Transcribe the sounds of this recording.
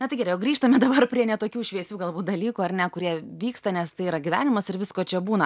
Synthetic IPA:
nʲɐt̪ɐɪɡʲɛːɾɛjɛʊɡɾʲiːʃt̪ɐmʲɛd̪ɐbɐrpʲɾʲiɛnʲɛt̪oːkʲuːʃʲʋʲiɛsʲuːɡɐlˠbuːt̪̚d̪ɐlʲiːkuːɐrnʲɛkʊɾʲiɛʋʲiːkst̪ɐnʲɛst̪ɐɪiːɾɐɡʲɪʋʲæːnʲɪmɐsɪɾʋʲɪskoːt͡ʃʲɛbuːnɐ

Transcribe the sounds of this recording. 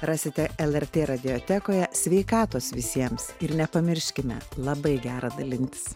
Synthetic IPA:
ɾɑːsʲɪt̪ʲɛɛlˠɛrt̪ʲeːɾɐd̪ʲɪoːt̪ʲæːkoːjɛsʲʋʲɛɪkɑːt̪oːsʋʲɪsʲiɛmsɪɾnʲɛpɐmʲɪɾʲʃʲkʲɪmʲɛ̰lˠɐbɐɪɡʲæːɾɑd̪ɐlʲɪnʲt̪ʲɪ̥s

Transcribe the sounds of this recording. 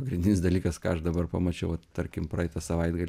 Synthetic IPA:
pɐɡɾʲɪnd̪ʲɪnʲɪsd̪ɐlʲiːkɐskɑːɐʃd̪ɐbɐrpɐmɐt͡ʃʲɛʊʋɐt̪t̪ɐɾʲkʲɪmpɾɐːɛɪt̪ɐsɐʋɐɪd̪ɡɐlʲ

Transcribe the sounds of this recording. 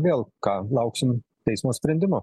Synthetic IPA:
ʋʲeːlˠkɑːlˠɐʊksʲɪmt̪ʲɛɪsmoːsʲpʲɾʲɛnʲd̪ʲɪmoː

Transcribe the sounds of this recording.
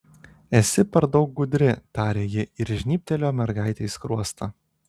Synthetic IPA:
ɛsʲɪpʲɛɾd̪ɒʊk̚ɡʊd̪ʲɾʲɪt̪ɑːɾʲeːjɪɪɾʒʲnʲiːpʲt̪ʲɛlʲoːmʲɛɾɡɑˑɪt̪ʲɛɪskɾuɔst̪ʰɐ

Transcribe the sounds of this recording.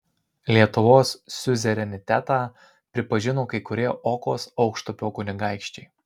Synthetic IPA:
lʲiɛt̪ʊʋoːsːʲʊzʲɛɾʲɛnʲɪt̪ʲæt̪ɑː | pʲɾʲɪpɐʒʲɪnoːkɐɪkʊɾʲiɛʔoːkoːsɒʊkʃt̪ʊpʲoːkʊnʲɪɡɑˑɪkʃʲt͡ʃʲɛɪ

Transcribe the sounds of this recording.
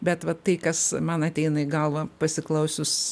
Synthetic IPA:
bʲɛt̪ʋɐt̪ɐɪkɐsmɐnɐt̪ʲɛɪnɐɪɡɐlˠʋɐpɐsʲɪklˠɐʊsʲʊs

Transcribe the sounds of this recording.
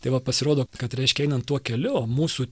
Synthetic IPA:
t̪ɐɪʋɐpɐsʲɪɾoːd̪oːkɐt̪ɾʲɛɪʃʲkʲɛɛɪnɐnt̪tːuɔkʲɛlʲʊmuːsuː

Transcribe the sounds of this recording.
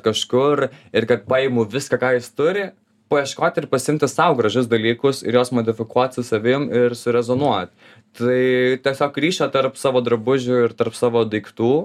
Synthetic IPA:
kɐʃkʊrɪɾkɐt̪pɑːɪmʊʋʲɪskɐkɑːjɪst̪ʊɾʲɪ | pɐiɛʃkoːt̪ʲɪɾpɐsʲɪɪmʲt̪ʲɪsɐʊɡɾɐʒʲʊsd̪ɐlʲiːkʊsɪ̰ɾjoːsmoːd̪ʲɪfʲɪkuɔt̪ʲsʊsɐʋʲɪmɪɾsʊɾʲɛzoːnuɔt̪ | t̪ɐɪt̪ʲiɛsʲoːkɾʲiːʃʲɛːt̪ɐɾpsɑːʋoːd̪ɾɐbʊʒʲʊɪɾt̪ɐrpsɑːʋoːd̪ɐɪkt̪uː

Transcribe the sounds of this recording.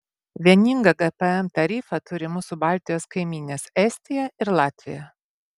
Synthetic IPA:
ʋʲiɛnʲɪŋɡɐɡɛpɛɛmt̪ɐɾʲiːfɐt̪ʊɾʲɪmʊːsʊbɑˑlʲt̪ʲɪjoːskɐɪmʲiːnʲeːsɛsʲt̪ʲɪjɛɪɾlˠɑːt̪ʲʋʲɪjɛ

